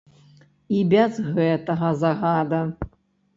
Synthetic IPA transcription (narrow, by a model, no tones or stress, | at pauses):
ibʲɛzɣɛt̪ɐɣɐzɐɣad̪ɐ